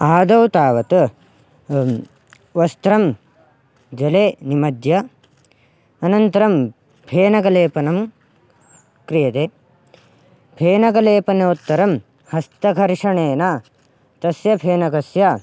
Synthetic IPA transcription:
aːd̪ɐwt̪aːʋɐt̪ | ʋɐst̪ɾɐm | d͡ʒɐleːnimɐd̪jɐ | ɐnɐnt̪ɐɾɐm | pʰeːnɐkɐleːpɐnɐm | kɾijɐt̪eː | peːnɐkɐleːpɐneut̪ːɐɾɐm | hɐst̪ɐkɐɾʂɐɳeːnaː | t̪ɐsjɐpʰeːnɐkɐsja

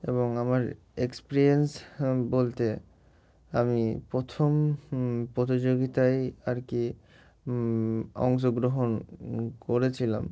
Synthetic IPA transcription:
ḛboŋamaɾ | ekspeɾiensbolt̪e | amipɾot̪ʰom | pɾot̪̬id͡ʑoɡit̪ajaɾki | ɔ̰ŋʃ̬oɡɾoɦonkoɾet͡ɕʰila̰m

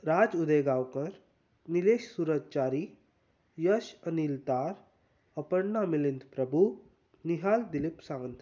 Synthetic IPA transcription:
ɾad͡zud̪eɡawkəɾ | nileɕsuːɾəd͡ʑt͡ɕaːɾi | jəɕənilt̪aɾ | əpəɽnamilint̪pɾəbʱu | niɦald̪ilipsãŋənt̪ʰ

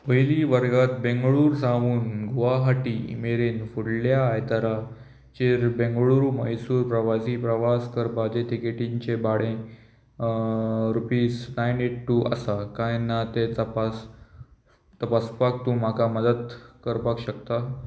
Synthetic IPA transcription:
pəjliʋəɾɡat̪bẽŋɡɭuːɾsãʋuːnɡoʋaɦaʈiːḭmeɾenfuɽljaːjt̪əɾa | t͡ɕeɾbẽŋɡɭuːɾuməjsuːɾpɾəʋasiːpɾəʋaskəɾpad͡ʑeʈ̪ikeʈiɲt͡ɕebaɽẽ | ɾupiːsnajneʈʈːuʔə̰sakãjnːat̪et̪əpas | t̪əpaspak̚t̪ũm̤akaməd̪əd̪kəɾpakɕək̚t̪a

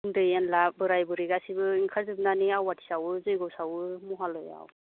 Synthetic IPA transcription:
ɯndɯjanlabɯɾajbɯɾiɡasibɯiŋkʰazɯb̚naniawːatʰi̥sawɯzɯjɡɔwsawɯmɔɦalɔja̰w

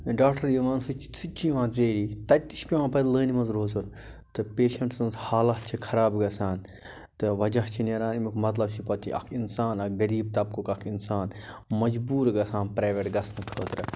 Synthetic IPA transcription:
ɖaːkʈɐɾjɐʋaːnsɨt͡ʃsɨt͡ʃiʋãːt͡seːɾiːt̪ɐt̪ːiʃpʲiʋãːpɐd̪ləːnimɐnzɾoːzɐɾ | t̪ɨpeːʃɐɳʈsɐnzhaːlɐɦt͡ʃʰikʰɐɾaːbɡɐsaːn | t̪ɨʋɐd͡ʒɐɦt͡ʃʰineɾaːnimikmɐt̪lɐbt͡ʃʰipɐt̪ːḭʔɐ̰kʰinsaːnɐɡɐɾiːb̚t̪ɐb̚kokɐkʰinsaːnmɐd͡ʒbuːɾɡɐsaːnpɾaːʋʲeʈɡɐsnɐkʰəːt̪ɾɨ

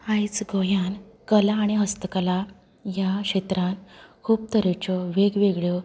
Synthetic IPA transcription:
ãjt͡sɡojãn | kəlaːɽ̃iɦəst̪əkəla | jaɕet̪ɾãnkʰuːb̚t̪əɾet͡ɕɔʋeɡʋeɡɭjɔ

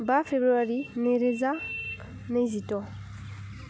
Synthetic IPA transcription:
bafebɾuaɾineɾeza | nezitɔ

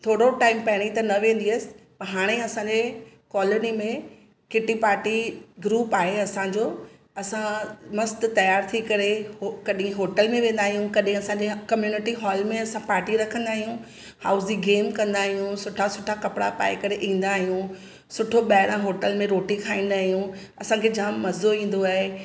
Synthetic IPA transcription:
t̪ʰoːɽoʈaːɪmpɐɦɪɽ̃it̪ɐnɐʋẽːn̆d̪iɐsɪ̥̆pɐɦaːɽ̃eɐsãɲd͡ʑe | kɔːlonimẽ | kɪʈipaːɾʈiɡɾuːpaːɦeɐsãɲd͡ʑoː | ɐsãmɐst̪t̪ɐjaːɾt̪ʰikɐɾeokɐɗĩɦoːʈəlmẽʋẽːn̆d̪aːɦijũkɐɗɦĩɐsãɲd͡ʑekɐmjuːnɪʈiɦɔːlmẽɐsãpaːɾʈiɾɐkʰə̃nd̪aːɦijũ | haːʊziɡeːmkɐ̃nd̪aːɦijũsʊʈʰasʊʈʰakɐpɪɽa̰pa̰ːɪkɐɾeʔĩːn̆d̪aːɦijũ | sʊʈʰoɓɛːɽãɦoːʈəlmẽɾoːʈikʰaːĩːn̆d̪aːɦijũ | ɐsãkʰed͡ʑaːmːɐzoĩːn̆d̪oaːɦe

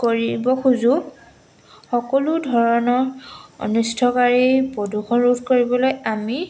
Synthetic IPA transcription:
koɹibɔxuzu | xɔkɔludʱɔɹɔnɔɹo̰nustʰɔkaɹibɔdʱuxʰɔnɹudʰʱkoɹibɔlojami

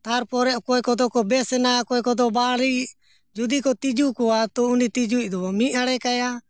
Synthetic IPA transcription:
t̪aɾpɔɾɛʔkɔɛkɔd̪ɔkɔbɛsɛnajakɔɛkɔd̪ɔbaɽi | d͡ʒud̪ikɔt̪id͡ʒukɔat̪ɔunit̪id͡ʒuc̚ˀd̪ɔmiaɽɛkaja

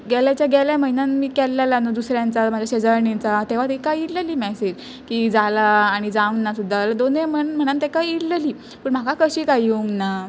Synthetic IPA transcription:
ɡɛljat͡ɕjaɡɛljam̤əɦinanmiːkɛlːalanod̪usɾjãnt͡samad͡ʑʱjaɕed͡zəɾɳint͡sat̪eʋ̤at̪ikajiɽləliːmɛsed͡ʑ | kiːd͡zalaːɽ̃id͡zãwnːasud̪ʱːald̪onem̤əɳm̤əɽ̃ant̪ekajiɽləliː | pəːɳm̤akakəɕiːkajuŋɡna

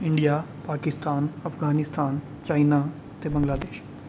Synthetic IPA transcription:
ɪ̃ɳɖijaːpaːkɪst̪aːnəfɡaːnɪst̪ʰaːn | t͡ʃaːinaː | t̪eːbə̃ŋɡlaːd̪eːʃ

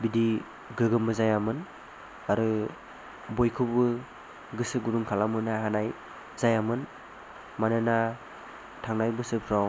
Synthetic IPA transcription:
bidi | ɡɯɡɯmɯzajamɯn | aɾɯ | bojkʰɯbɯ | ɡɯsɯɡuɾuŋkʰalamɯnaɦanaj | zajamɯn | manɯna | tʰaŋnajbɯsɯpʰɾaw

